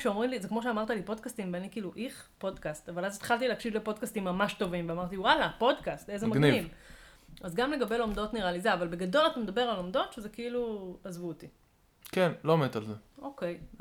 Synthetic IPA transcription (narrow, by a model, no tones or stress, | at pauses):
ʃeomʁimlizekmo̞ʃ̬eamaʁt̪alipo̞d̪kastimveanikeiluʔiχpo̞dkast̪avalazet̪χalt̪ileːkʃidlepo̞d̪kastimːamaʃto̞vimveamaʁt̪iwalapo̞dkastezemaɡnniv | azɡamle̞ɡabe̞lo̞mdo̞tniʁalizeavalbeɡado̞lat̪amed̪abe̞ʁalo̞mdo̞t̪ʃezekeiluazvut̪i | kenlomet̪alzeo̞kej